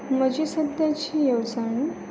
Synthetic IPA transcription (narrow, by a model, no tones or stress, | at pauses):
m̤əd͡ʑisəd̪jat͡ɕiːjəʋt͡saɳi